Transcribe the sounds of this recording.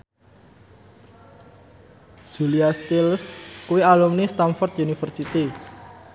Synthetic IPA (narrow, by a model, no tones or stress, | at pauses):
ʒ̥uliast̪ilskuwialumnist̪anfɔrt̪junifərsit̪i